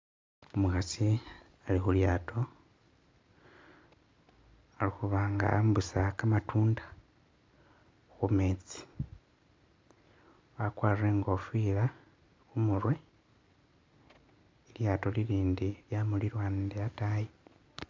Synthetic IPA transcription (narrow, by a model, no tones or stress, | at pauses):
umuxasi | alixuljaːto̞ | alixuβaːŋɡa̰ambusakamatʰuːndḁ | xumeːt͡si̥ | akwaːrre̞ːŋɡo̞fila | xumurwe̞ | iljaːto̞liliːndiljamuliɾwaːndeataje